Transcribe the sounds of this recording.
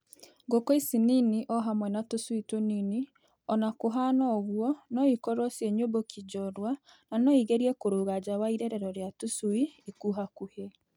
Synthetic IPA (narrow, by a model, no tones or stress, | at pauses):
ŋɡokɔisininiʔɔɦamwɛnatosuitonini | ɔnakoɦanɔɣwɔnɔikɔɾɔsjeɲombokid͡ʒɔɾwa | nanɔiɣeɾiɛkoɾoːɣad͡ʑawaiɾɛɾɛɾɔɾjatusuiikuɦakuhe